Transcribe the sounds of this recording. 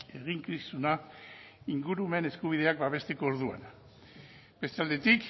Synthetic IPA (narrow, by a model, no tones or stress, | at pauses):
e̞ɣ̞iŋkisuna | iŋɡuɾume̞ne̞skuβ̞ið̞e̞akbaβ̞e̞st̪e̞ko̞ːɾðua̰n | b̥e̞st̪eald̪e̞t̪ik